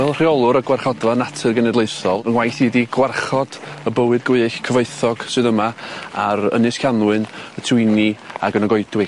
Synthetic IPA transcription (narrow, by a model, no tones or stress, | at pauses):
vɛlˠr̥iɔlˠʊɾəɡwarχɔdvanatʰɨrɡənɛdleɨsɔlˠənwajθiːdiɡwarχɔd̥əbəwɨd̚ɡɪɬkʰəveɨθɔɡ̥sɨðəmaaɾə̰nɨskʰjanwɨnətʰɪjniaɡənɔɡɔɨdwɪ